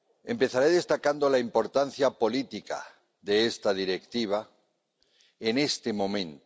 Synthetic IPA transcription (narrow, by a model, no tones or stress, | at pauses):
e̞mpe̞θaɾeðe̞st̪akand̪olaimpo̞ɾt̪an̟θjapo̞lit̪ika̰ | ðe̞est̪aðiɾe̞kt̪iβ̞a | ene̞st̪emõ̞mẽ̞nt̪